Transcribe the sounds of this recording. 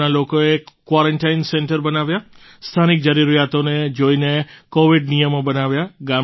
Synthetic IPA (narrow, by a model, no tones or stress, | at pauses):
nalokoekːʋaɾəɳʈainseɳʈəɾbənaʋja | st̪ʰanik̚d͡ʒəɾiɾijat̪oned͡ʒoinekoʋiɖnijəmobənaʋjaɡa